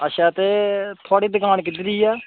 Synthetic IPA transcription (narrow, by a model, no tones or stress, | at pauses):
əʃaːt̪eːt̪ʰoaːɽiːd̪əkaːnkɪd̪ɪɾiːaː